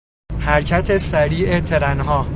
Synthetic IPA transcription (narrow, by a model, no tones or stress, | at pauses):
hæɾcʰæt̪ʰe̞sæɾiːʔet̪ʰe̞ɾænɦɒː